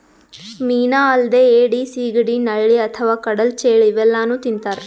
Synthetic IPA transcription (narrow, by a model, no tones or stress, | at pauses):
miːnaːɐld̪eːeːɖisiːɡɽinɐɭːiɐt̪ʰɐʋaːkɐɽɐlt͡ʃeːɭiʋɛlːaːnuːt̪int̪aːɾ